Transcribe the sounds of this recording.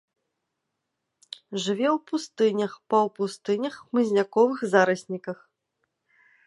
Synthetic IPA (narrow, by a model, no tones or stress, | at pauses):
ʐɨvʲɛwpust̪ɨnʲɐxpɐwpust̪ɨnʲɐxmɨzʲnʲakɔvɨxzaɾɐsʲnʲikɐx